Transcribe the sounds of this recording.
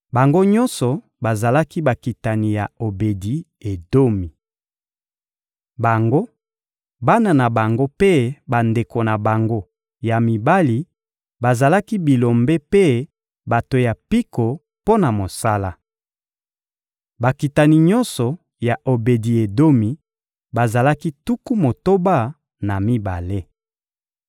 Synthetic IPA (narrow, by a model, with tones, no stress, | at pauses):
ba˨ŋɡo˦ɲɔ˦nsɔ˨ | ba˨za˨la˦ki˦ba˨ki˨ta˨ni˨ja˨o˨be˨di˨ | e˨do˦mi˨ | ba˨ŋɡo˦ | ba˦na˨na˨ba˨ŋɡo˦pe˦ba˨nde˨ko˨na˨ba˨ŋɡo˦ | ja˨mi˨ba˦li˨ | ba˨za˨la˦ki˦bi˨lo˨mbe˦pe˦ | ba˨to˨ja˨pi˦ko˨ | po˦na˨mo˨sa˦la˦ | ba˨ki˨ta˨ni˨ɲɔ˦nsɔ˨ | ja˨ʔo˨be˨di˨e˨do˦mi˨ | ba˨za˨la˦ki˦tu˦ku˦mo˨to˦ba˦ | na˨mi˦ba̰˨le˦